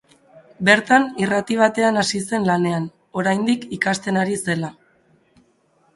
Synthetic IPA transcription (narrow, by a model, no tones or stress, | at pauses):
be̞ɾt̪anirat̪iβ̞at̪e̞anasise̞nlane̞an | o̞ɾajnd̪ikikast̪e̞naɾise̞la